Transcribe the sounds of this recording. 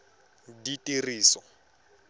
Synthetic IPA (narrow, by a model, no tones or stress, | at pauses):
ditʼiriːsɔ